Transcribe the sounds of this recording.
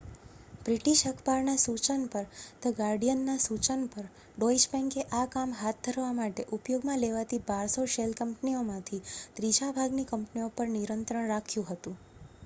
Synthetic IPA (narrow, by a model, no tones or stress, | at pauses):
b̥ɾiʈiʃəkʰpaɾnasut͡ʃənpəɾt̪əɡaɾɖijənːasut͡ʃənpəɾ | ɖɔid͡ʒbɛ̃ŋkeʔakamɦat̪̚d̪ʱəɾʋamaʈeʔupjoɡmãleʋat̪ibaɾsoʃelkəmpniomãt̪ʰid̪̥ɾid͡ʒabʱaɡnikəmpniopəɾniɾənt̪ɾəɳɾakʰjũɦət̪ũ